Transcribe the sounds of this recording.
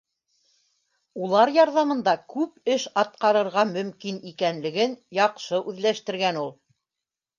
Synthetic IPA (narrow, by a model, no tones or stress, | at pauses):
ulˠɑɾjɑɾðɑmɤ̆nd̪ɑkʉp̚ɘʃɑt̪̚qɑɾɤ̆ɾʁɑmɵ̆mkinikænlɘ̆ɡɘnjɑqʃɤʔʉðlæʃt̪ɘ̆ɾɡænulˠ